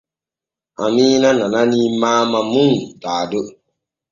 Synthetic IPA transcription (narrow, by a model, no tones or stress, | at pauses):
a̰minanananimaːmamũŋdaːdo